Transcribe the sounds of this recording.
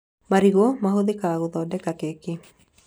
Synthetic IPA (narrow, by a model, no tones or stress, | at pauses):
maɾiɣomaɦoðɪkaɣoðɔdɛkakeke